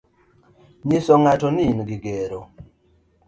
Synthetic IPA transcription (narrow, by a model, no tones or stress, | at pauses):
ɲisɔŋatɔninɡɪɡeɾo